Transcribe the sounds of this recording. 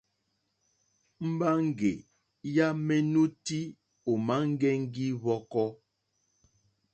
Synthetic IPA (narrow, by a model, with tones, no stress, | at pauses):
m̩˦ba˦ŋ˦˨ɡe˨ | ja˦mɛ˦nu˦ti˦ | o˨ma˨˦ŋ̩˦ɡɛ˦ŋ̩˦ɡi˦βɔ˦kɔ˦